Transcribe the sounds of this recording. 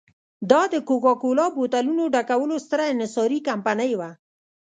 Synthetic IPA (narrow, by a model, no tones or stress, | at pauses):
d̪ɑd̪əkokɑkolɑbot̪alunoɖakawəlost̪əɾaɪnɪsɑɾikampanəjwa